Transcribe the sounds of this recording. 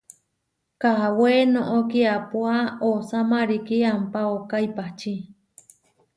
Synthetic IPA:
kaawenõʔokiapwaosamaɾikiampaokaipat͡ʃi

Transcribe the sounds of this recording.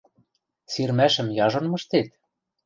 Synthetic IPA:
sirmæʃɘ̆mjɑʒŏnmɤ̆ʃt̪et̪

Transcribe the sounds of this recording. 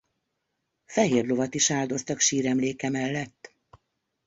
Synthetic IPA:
fɛɦeːrlo̞vɒt̪iʃaːld̪o̞st̪ɒkʃiːɾɛmleːkɛmɛlːɛt̪ː

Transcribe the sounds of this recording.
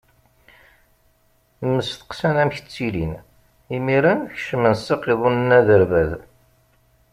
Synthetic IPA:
mːəsθə̥qsænæmçə̥t͡sːilin | imiɾænçʃəmənsɑqiðˤunənːæðəɾvæð

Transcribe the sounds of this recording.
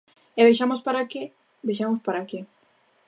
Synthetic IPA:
eβeʃamospaɾake | beʃamospaɾakɪ

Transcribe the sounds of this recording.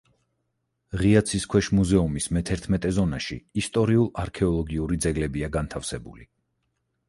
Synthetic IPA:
ʁiat̪sʰiskʰwɛʃmuzɛumismɛt̪ʰɛɾt̪ʰmɛt̪ʼɛzɔnaʃḭːst̪ʼɔɾiulˠaɾkʰɛɔlˠɔɡiuɾid̪zɛɡlɛbiaɡant̪ʰafsɛbṵli

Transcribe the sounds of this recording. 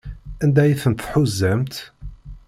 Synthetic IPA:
ænd̪æjəθənt̪θħuzːæmt̪

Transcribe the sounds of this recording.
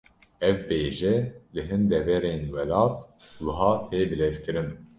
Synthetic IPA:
ɛvbeːʒɛlɨɦɨnd̪ɛvɛɾeːnwɛlɑːt̪ | wɨɦɑːt̪ʰeːbɨlɛvkɨɾɨn

